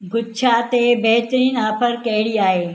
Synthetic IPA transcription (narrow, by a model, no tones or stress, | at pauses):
ɡʱʊt͡ʃʰat̪ebɐɦt̪ɾiːnaːpʰəɾkɐɦɪɽiaːɦeː